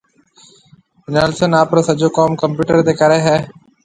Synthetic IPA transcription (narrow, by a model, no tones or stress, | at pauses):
neːlsənaːpɾəɾsəd͡ʒoːkɔːmkəmpjuːʈəɾd̪eːkəɾeːɦɛː